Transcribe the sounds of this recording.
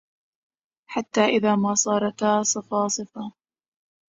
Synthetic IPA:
ħat̪ːaːʔɪðaːmaːsˤɑːɾˤɑt̪asˤɨfɑːsˤɨfɑ

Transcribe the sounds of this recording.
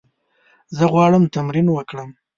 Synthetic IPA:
zəɣwɑɽəmt̪amɾinwəkɽəm

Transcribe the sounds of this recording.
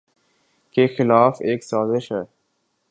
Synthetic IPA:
kexɪlaːfeːksaːzɪʃɦɛː

